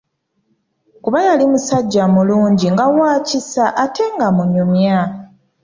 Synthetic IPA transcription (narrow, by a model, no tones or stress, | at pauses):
kuβajalimusaɟːamuluːɲɟiŋɡawaːcisaʔːtʰe̞ŋɡamuɲumja